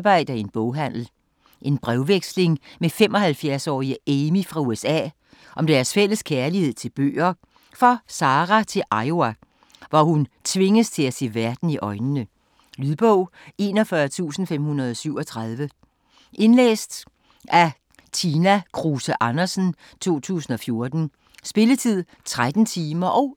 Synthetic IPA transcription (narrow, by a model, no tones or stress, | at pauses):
b̥ɑ̈ɪ̰d̥ɐe̝nb̥ɔʊɦæn̰l̩ | ʔe̝nb̥ʁɛʊʋeɡ̥sle̝ŋmefemɒ̽ɦælfjæɐsɒ̰ːiəeːmifʁɑ̈uesɛ̰ː | ʔɒ̽md̥æɐsfel̰əskʰæɐlihe̝ð̞̰ˠt͡sʰe̝lb̥ø̰ːɐ | fɒ̽sɑ̈ːʁæt͡sʰe̝lʔɑ̈ɪoæ | ʋɒhunt͡sʰʋe̝ŋəst͡sʰe̝læse̝̰ːʋæɐd̥n̩iʔɒ̽ɪnənə | lyðˠb̥ɔʊ̰ | e̝ːnɒ̽fɶɐt͡sʰṵːsn̩fem̰hunɐð̞ˠɒ̽syʊ̰ɒ̽t͡sʰʁɑðˠʋə | ʔe̝nlḛːsd̥ | æ | t͡sʰiːnækʰʁusəʔɑ̈nɐsn̩ | t͡sʰo̝̰ːt͡sʰṵːsn̩ɒ̽fjo̝ɐd̥n̩ | sb̥e̝lət͡sʰið̰ˠ | t͡sʰʁad̥n̩t͡sʰiːmɐʔɒ̽ʊ